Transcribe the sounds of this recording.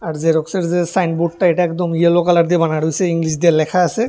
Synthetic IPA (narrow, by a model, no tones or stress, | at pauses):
aɾzeɾɔkseɾzesajnbuʈʈaejʈaɛkd̪omielokalaɾd̪ibanaɽojseiŋliʃ̬d̪eɾlɛkʰaasʰe